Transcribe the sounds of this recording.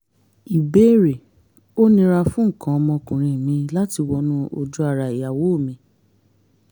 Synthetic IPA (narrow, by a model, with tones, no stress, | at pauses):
i˨be˨˦ɾe˨ | o˦nĩ˧ɾa˧fũ˦ŋ̩˦˨kʰã˨ɔ˧mɔ̃˧kũ˨ɾ̃ĩ˧˨mĩ˧˦la˦ti˧wɔ˧nũ˦o˧d͡ʒu˦a˧ɾa˨i˨ja˨wo˨˦˨mĩ˧